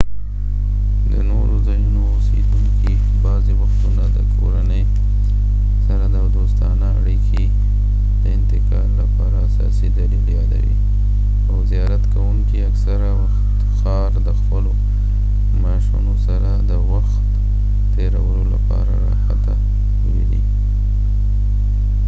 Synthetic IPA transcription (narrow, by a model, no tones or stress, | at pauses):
d̪ə̰noɾozajunoːsed̪uŋki | bɑziwaxt̪unad̪əkʰoɾanəj | saɾad̪əd̪ost̪ɑnaa̰ɽikʰe | d̪̥əɪnt̪ɪkɑɾlapɑɾaːsɑ̰sid̪alebjɑla̰ɾḭ | awzijɑɾat̪kawumkiaksaɾawaxt̪ | xɑɾd̪əxpəlo | mɾaʃa̰nosaɾad̪əwaxt̪ | t̪eɾawəlola̰pɑ̰ɾaɾa̰xat̪a | ʃəwḛd̪ḭ